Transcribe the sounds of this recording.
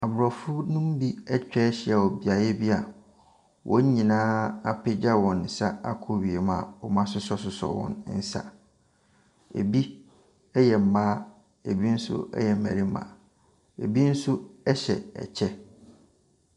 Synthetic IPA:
a˨bʊ˨ɾɔ˨fʊ˦nʊ̃˦m˦bi˦ɛ˦t͡ɕᶣɛ˦ɕɪ˦a˨wɔ˨bi˨a˨jɛ˦bi˦a˨ | wʔɔ˦ɲ˦ɲĩ˨nãː˦a˦pɪ˦d͡ʑa˦wɔ̃˨nn̩˨sa˦a˦kʰo˦ɥi˨e˨mã̰˨ɔ˨mã˦sʊ˦sɔ˦s̬ʊ˨sɔ̰˨wɔ̰̃˨n˦n̩˦sa̰˨ | ḛ˨bi˦ | ɛ˦jɛ˨m̩˨maː˦ | e˨bi˦n̩˦sʊ̰˦ɛ̰˦jɛ˨mæ̰˨ɾi˦mã̰ː˨ | ḛ˨bi˦n̩˦sʊ˦ɛ˦ɕɛ̰˨ɛ̰˨t͡ɕʰɛ˦

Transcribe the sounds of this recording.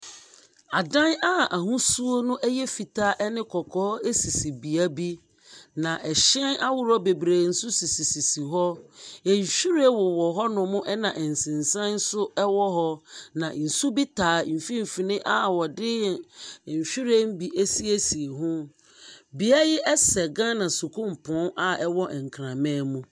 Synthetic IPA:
a˨dã˦na˦ʔa˨ɦʊ̃˦su˦o˦nʊ̃˦ʔɛ˦jɛ˦fi˨tʰaː˦ʔɛ˦nɪ̃˦kʰɔ˨kʰɔː˦e˦si˨si˨bi˨a˦bi˦ | nã˨ʔɛ˨ɕɛ̃˦na˦wʊ˦˨ɾɔ˦be˨bɾeː˨n̩˨sʊ˦si˨si˨si˨si˨ɦɔ˦ɛ˨ɲ̩˨ɕᶣi˦ɾe˦wɔ˨wɔ˨ɦɔ˦nʊ̃˨mʊ̃˦ʔɛ˦nã˨ʔɛ˨n̩˨sɪ̃˨nsã˦n˦sʊ˦ɛ˦wɔ˦ɦɔ˦nã˨n̩˨su˦bi˦tʰaː˨m̩˨fĩ˦m̩˨fi˨nɪ̃˦ʔa˦wɔ˨dɪ˦˨ɲ̩˨ɕᶣi˦ɾe˦m˦bi˨ʔe˦si˦e˦si˨e˨ɦʊ̃˦ | bi˨a˦jɪ˦ʔɛ˦sɛ˨ɡã˦nã˨su˨kʰũ˦m̩˨pʰɔ̃˨˦na˦ɛ˦wɔ˦ʔɛ˨ŋ̩˨kʰɾã˨mɛ̃˦mũ˦

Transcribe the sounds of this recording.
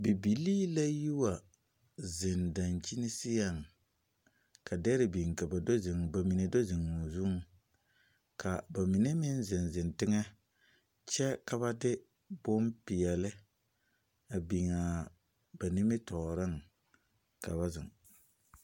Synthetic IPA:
bi˨bi˨liː˦la˦ju˦wa˨ | zɪ˨nda˨nt͡ʃi˦nɪ˦sɪ˦ja˨ŋ | kʰa˨dɛ˦ɾɪ˨bi˨ŋka˨ba˨do˦zɪ˨ŋ˨ba˨mi˨ne˨do˦zɪ˨ŋʊ˨zu˦ŋ | kʰa˨ba˨mi˨ne˦mɪ˦nzɪ˨nzɪ˨ntɪ˦ŋɛ˦ | t͡ʃɛ˦ka˨βa˦dɪ˦ | bʊ˦mpɪ˨ɛ˨lɪ˦ | a˨bi˨ŋa˨ | b̥a˨ni˦mɪ˦tɔː˨ɾɪ˦ŋ | ka̰˨βa˦zɪ̰˨ŋ

